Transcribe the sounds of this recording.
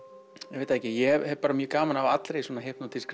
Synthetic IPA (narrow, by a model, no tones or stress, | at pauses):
jɛvejt̪aɛhcɪjɛɛvhɛvpaːɾamjœːkaːmanavat̪lɾejswɔːnaɦehpnawt̪ʰɪlskɾ